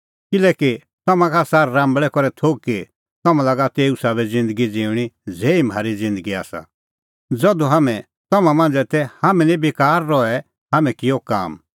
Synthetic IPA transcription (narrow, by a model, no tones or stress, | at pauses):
kɪlɛːki | t̪ɔmãkʰasaɾːãːmbɭɛkɔɾɛt̪ʰoːɡ̚ki | t̪ɔmãlaɡat̪eːusabɛd͡zɪ̃nd̪əɡid͡ziːʊɽ̃id͡zɛːim̤aːɾid͡zɪ̃nd̪əɡia̰ːsa̰ | d͡zɔd̪uɦamɛ̃ | t̪ɔmãmãnd͡zɛt̪ɛhamɛ̃nibɪkaːɾːɔɛ | ɦaːmɛ̃kɪjɔka̰ːm